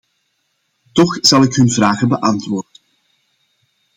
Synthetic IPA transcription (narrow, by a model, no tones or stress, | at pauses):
tɔxz̥ɑlˠɪkɦɵnvraːɣəbəʔɑntʋoːrdən